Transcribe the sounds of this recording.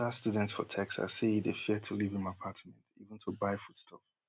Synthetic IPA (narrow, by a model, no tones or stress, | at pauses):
astjudɛ̃ntsfɔ̰tʰɛksa̰siidefitʰulivɪ̃nmapʰatmɛ̃ntivə̃n̩tʰubaɪfutstʰɔf